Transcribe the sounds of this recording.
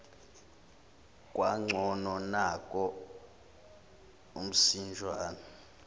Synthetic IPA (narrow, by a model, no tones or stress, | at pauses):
kʼwaŋ͡ǀʱɔnɔnakʼɔ | um̩sind͡ʒʱwaːnɔ